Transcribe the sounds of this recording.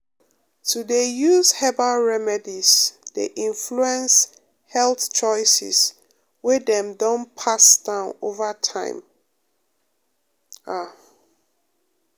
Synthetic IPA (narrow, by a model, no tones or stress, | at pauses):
tʰudejuzhɛbaɹɛmɛdiz̥dḛʔĩnfluɛ̃ns | hɛlθt͡ʃɔɪsḭs | wɛdɛ̃mdɔ̃npʰasd̥ãʊ̃novətʰã̰ɪ̃m | a